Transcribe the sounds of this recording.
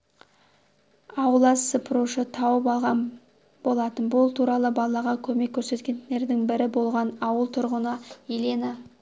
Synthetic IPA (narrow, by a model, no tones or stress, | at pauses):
ɑwəlˠɑsəpʰɾuʃət̪ʰɑwəpɑlˠʁɑn | b̥o̞lˠɑt̪ənbʊlˠt̪ʰuɾɑlˠəbɑlˠɑʁɑkʲʰɵme̞kʲʰːɵɾse̞t̪kʲe̞ne̞ɾd̪ɪŋbɪɾɪbo̞lˠʁɑnɑwəlˠt̪ʰʊɾʁənəelena